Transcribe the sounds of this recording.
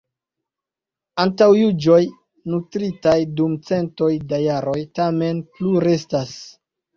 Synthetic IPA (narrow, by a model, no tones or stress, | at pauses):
antawjud͡ʒo̞j | nutɾitajdumt͡se̞nto̞jdajaɾo̞jtame̞npluɾestas